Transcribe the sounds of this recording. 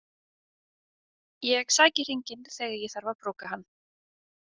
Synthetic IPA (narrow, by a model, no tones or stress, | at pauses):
jɛɣsaːcɪr̥iɲcɪnθɛɣɪjɛθaɾvaðpɾoːwkahanː